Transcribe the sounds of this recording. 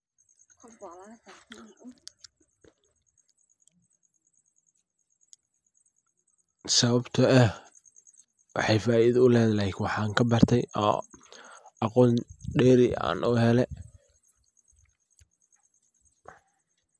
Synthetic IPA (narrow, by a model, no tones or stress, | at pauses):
sɐβɐbt̪ʰɐɛ | wʔɑ̰ħɑjfaːiðɐʊlɛːðlɛɪkwɑħɑːŋkʰɐbɐrt̪ʰɛjʔɔ̰ː | ɑqɔːnɖɛːɾɪa̰ːnʔɔːɦɛlɛ